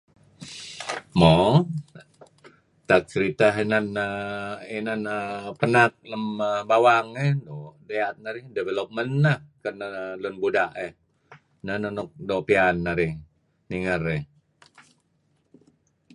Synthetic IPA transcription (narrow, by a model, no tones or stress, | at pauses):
mo | t̪ak̚t͡ʃəɾit̪aɦenanəinanəpənat̪̚ləməbawaŋɛhdodeat̪̚naɾihdɛvelop̚mənːahkənalunbudaʔeh | nənonʊk̚doʔpianːaɾɪh | niŋərɛh